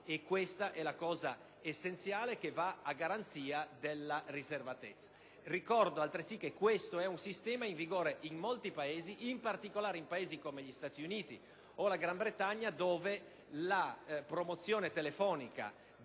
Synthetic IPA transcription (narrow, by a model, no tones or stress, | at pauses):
ekːwest̪aʔɛlakɔːza | esːent̪sjaːlekevaaɡaɾant̪siːad̪elːarizervat̪et̪sːḁ | rikɔrd̪oalt̪ɾesikːekːwest̪oɛunsist̪ɛːmaiɱviɡoːɾeʔinmolt̪ipaeːziʔimpart̪ikolaːɾeimpaeːzikomeʎist̪aːt̪iuniːt̪ḭ | olaɡɾambɾet̪aɲːad̪oːve | lapɾomot̪sːjoːnet̪elefɔːnika̰